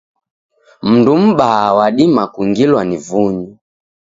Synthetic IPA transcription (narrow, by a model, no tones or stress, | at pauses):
m̩ndum̩ɓaːwaɗimakuŋɡilwanivuɲi